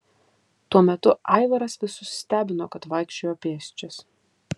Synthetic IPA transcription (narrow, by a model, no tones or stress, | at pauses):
t̪uɔmʲɛt̪ʊʔɑˑɪʋɐɾɐsʋʲɪsʊssʲt̪ʲæːbʲɪnoːkɐt̪ʋɐɪkʃʲt͡ʃʲoːjoːpʲeːsʲt͡ʃʲɛs